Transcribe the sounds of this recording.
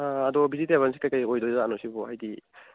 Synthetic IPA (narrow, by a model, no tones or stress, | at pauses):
ɐdɔbizitaβansi̥kajkajojdojzaanɔsibɔɦajdi